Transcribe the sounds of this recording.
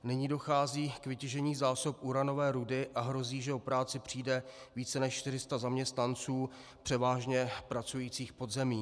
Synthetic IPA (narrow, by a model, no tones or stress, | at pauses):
nɪɲiːdo̞xaːziːkvɪcɛʒɛɲiːzaːsop̚ʔuɾano̞vɛːɾudɪʔaɦɾo̞ziːʒɛopɾaːt͡sɪpr̝̥iːdɛ | viːt͡sɛnɛʃʃt̪ɪrɪst̪azamɲɛst̪nant͡suː | pr̝̥ɛvaːʒɲɛpɾat͡sujiːt͡siːxpo̞dzɛmiː